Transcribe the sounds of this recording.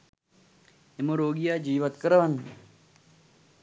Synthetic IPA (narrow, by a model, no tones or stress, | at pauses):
emoɾoːɡijaːd͡ʒiːʋɐt̪kɐɾɐʋɐn